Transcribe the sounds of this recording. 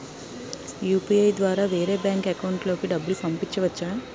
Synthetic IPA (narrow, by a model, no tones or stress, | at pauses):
juːpiɐjd̪ʋaːɾaːʋeːɾeːbjaːŋkekɐwɳʈlo̞ːkiɖɐbːulupɐmpiɲt͡ʃːɐʋɐt͡ʃːaː